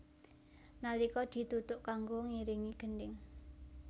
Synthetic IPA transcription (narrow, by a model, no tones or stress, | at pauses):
nalikɔd̪̥i̤t̪ut̪ʊʔkaŋɡoŋiɾiŋiɡ̥ə̤ndɪŋ